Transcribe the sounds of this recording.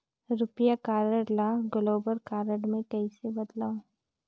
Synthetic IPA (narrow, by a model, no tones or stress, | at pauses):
ɾʊpjakaːɾəɽlaɡəloːbəɾkaːɾəɽmẽʈɛisebɐd̪laːo